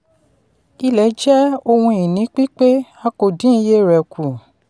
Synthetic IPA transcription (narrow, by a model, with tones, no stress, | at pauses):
i˧lɛ˨˦d͡ʒɛ˦o˧hũ˧i˨nĩ˨˦k͡pi˦k͡pe˦a˧ko˨dĩ˦i˧je˦ɾɛ˨kʰu˨